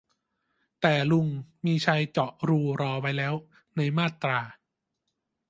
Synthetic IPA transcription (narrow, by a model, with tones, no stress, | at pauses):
t̪ɛː˨˩lu˧˩ŋmiː˧t͡ɕʰa˧jt͡ɕɔ˨˩ʔɾuː˧ɾɔː˧wa˧˥jlɛː˦˥w | na˧jmaː˥˩t̪ɾaː˧